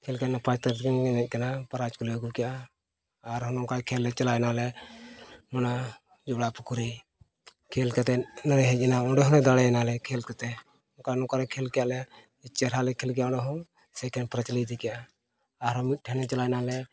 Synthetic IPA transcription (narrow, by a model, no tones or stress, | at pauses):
kʰɛlkanapat͡ʃt̪aɾt̪kɛnɡɛnɛt̚ˀkanapaɾat͡ʃkɔlɛɡukɛjaː | ɾɦɔnɔŋkakʰɛlːɛt͡ʃalajnalɛ | mɔna | d͡ʒɔɽapukuɾi | kʰɛlkat̪ɛnəɾɛɦɛt͡ʃɛnaɔ̃ɖɛɦɔnɛd̪aɽɛɛnalɛkʰɛlkat̪ɛ | ɔkanɔkaɾɛkʰɛlkɛjaʔlɛ | ɛt͡ʃɛɾalɛkʰɛlkɛjaɔ̃ɳɖɛɦɔŋ | sɛkʰɛnpɾat͡ʃlid̪ikɛjaː | ɾɦɔmit̪̚ʈʰɛnɛt͡ʃalajnalɛ